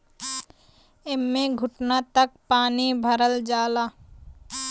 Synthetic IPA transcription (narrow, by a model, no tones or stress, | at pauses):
ɪmːẽɡʱʊʈnat̪ək̚paːnibʱɐɾəld͡ʒaːlaː